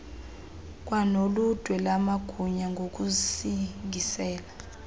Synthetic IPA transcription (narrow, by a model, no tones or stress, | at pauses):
k̬ʼwanolud̥ʱwɛlamaɡ̥ʱuɲaŋɡʱok̬ʼusiŋʱisɛːla